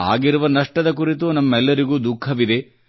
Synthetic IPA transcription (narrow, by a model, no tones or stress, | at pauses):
a̰ːɡiɾuʋɐnɐʂʈɐd̪ɐk̬uɾit̪unɐmːɐɛlːɐɾiɡuːd̪ukʰːɐʋid̪e̞